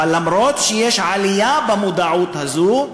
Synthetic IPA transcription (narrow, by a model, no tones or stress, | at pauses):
lamɾo̞t̪ʃejeʃʕalijabemud̪aʕut̪hazu